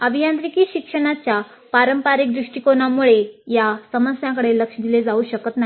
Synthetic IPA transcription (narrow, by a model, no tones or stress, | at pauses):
əbʱijant̪ɾikiːɕikʂəɽ̃at͡ɕja | paɾəmpaɾik̚d̪ɾuʂʈikonamuɭejasəməsjãkəɽeləkʂd̪iled͡zauːɕəkət̪nai